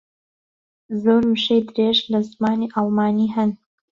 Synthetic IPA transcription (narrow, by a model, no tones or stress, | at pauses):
zoɾmɨʃejd̪ɾeʒlɐzmaːniʔalˠmaːniːɦɐn